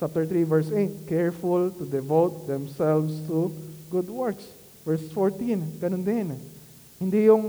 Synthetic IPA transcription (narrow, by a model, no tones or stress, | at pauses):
t͡ʃap̚t̪ɛɹt̪ɾivɛɹsejt̪̚kɛɹfʊlt̪ʊd̪ɛvowt̪̚d̪ɛ̃msɛlvst̪uɡʊd̪wɛɹks | vɛɹsfoɹt̪ĩnɡɐnõnd̪ɪn | hɪnd̪ijʊŋ